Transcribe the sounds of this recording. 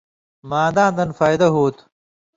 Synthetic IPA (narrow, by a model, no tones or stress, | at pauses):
maːd̪aːnd̪ɐnfaːjd̪ɐɦuːt̪